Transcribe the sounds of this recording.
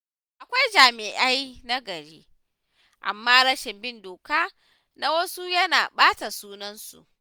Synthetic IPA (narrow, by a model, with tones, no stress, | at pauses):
ʔa˨kʷa˦jd͡ʒaː˨mɪ˨ʔa˦jna˦ɡɐ˨ɽḛː˦ | ʔa̰˨mːaː˦ɽɐ˦ʃɪ˨mbɪ˦ndoː˨kaː˦ | na˦wɐ˦su˦jɐ˦naː˨ɓaː˦ta˨suː˦nɐ˦nsṵ˨ʔ